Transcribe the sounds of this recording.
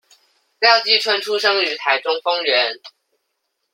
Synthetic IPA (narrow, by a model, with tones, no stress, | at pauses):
ljɑ˥˧ʊt͡ɕi˥˩ʈ͡ʂʰwə˥nʈ͡ʂʰu˥ʂɤ˥ŋy˧˥t̪ʰa˧˦ɪʈ͡ʂʊ˥ŋfɤ˥ŋɥɛ˨˧˥n